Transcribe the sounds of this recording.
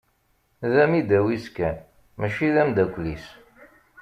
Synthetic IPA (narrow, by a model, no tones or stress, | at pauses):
ðæmid̪æwiskæ | mæʃilæmd̪ækʷːlis